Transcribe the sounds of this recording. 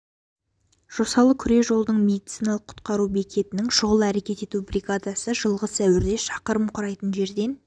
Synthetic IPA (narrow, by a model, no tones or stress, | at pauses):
ʒ̥o̞sɑlˠəkʲʰʏɾe̞ʒo̞lˠd̪əɴme̞d̪it̪sijnɑlˠəqʰːʊ̥t̪qɑɾubekʲʰe̞t̪ɪnɪŋʃʊʁəlˠæɾe̞kʲe̞t̪e̞t̪ubriɡad̪asəʒəlˠʁəsæwɪɾd̪e̞ʃɑqəɾəmqʰʊɾɑjt̪ənʒe̞ɾd̪e̞n